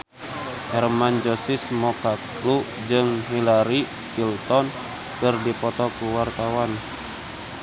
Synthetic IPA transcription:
hɛrmand͡ʒɔsismɔkak | lu | d͡ʒɨŋɦilaɾi | filt̪ɔn | kɨrdipɔt̪ɔkuwart̪awan

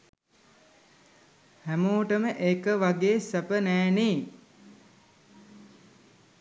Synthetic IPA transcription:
hæmoːʈəməʔekəʋaɡeːsəpənæːneː

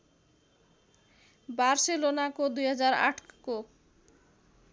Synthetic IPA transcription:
baɾʃelonakod̪ujɦad͡ʑaɾa̰ʈʰko

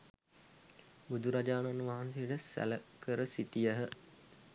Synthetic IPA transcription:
bud̪uɾad͡ʒaːnanːuʋaɦanseʈəsæ̰ləkəɾəsit̪ijəɦə

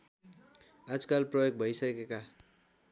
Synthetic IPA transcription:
ad͡zkalprʌjoɡ̚bʱʌjsʌkeka

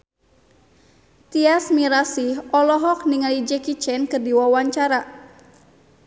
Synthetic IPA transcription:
t̪iasmiɾasihɔlɔɦɔk̚niŋalid͡ʒɛkit͡ʃɛnkɨrdiwawaɲt͡ʃaɾa

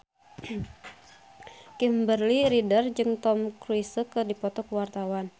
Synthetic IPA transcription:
kimbərliɾidərd͡ʒɨŋt̪ɔmkɾuisəkɨrdipɔt̪ɔkwart̪awan

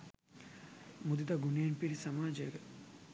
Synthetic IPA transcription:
mud̪it̪aɡunenpiɾisɐmaːd͡ʒeɡɐ

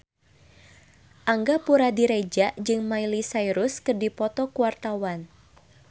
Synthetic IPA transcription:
ʔaŋɡapuɾadiɾed͡ʒaʔd͡ʒɨŋmailisaiɾʊskɨrdipɔt̪ɔkuwart̪awan

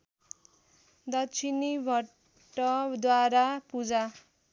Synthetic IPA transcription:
d̪ʌt͡sʰinibʱʌ | ʈːʌd̪waɾapud͡za

